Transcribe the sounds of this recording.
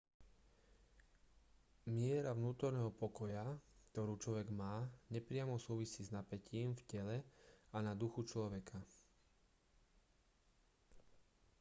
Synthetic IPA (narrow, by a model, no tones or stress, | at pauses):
mɪɛɾavnuːt̪ɔɾnɛːɦɔpɔkɔjakt̪ɔɾuːt͡ʃlɔʋɛɡmaːɲɛpɾɪamɔsuːʋisiːznapɛciːmfcɛlɛanad̪uxut͡ʃlɔʋɛkʰa